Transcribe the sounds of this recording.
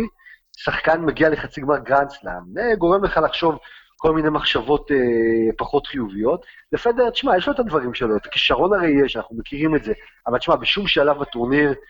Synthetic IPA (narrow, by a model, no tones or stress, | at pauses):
saχkanmeɡiale̞χat͡siɡmaʁɡʁansla̰neɡo̞ʁemleχalaχʃo̞vko̞lminejmaχʃavo̞tepaχo̞tχijuvijo̞tlefedeʁt̪i̥ʃmajeʃloet̪ad̪vaʁimʃeloet̪ḁkiʃaʁo̞naʁe̞jjeʃanaχnume̞kiʁimetze̞ | avalt̪i̥ʃmabeʃumʃalavbatoʁniʁ